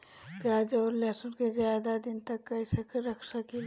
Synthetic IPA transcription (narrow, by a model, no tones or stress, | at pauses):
pjaːd͡ʒɔːɾleːsənkezjaːd̪ad̪ɪnt̪ɐkːɐɪsekʰɾɐkʰsakil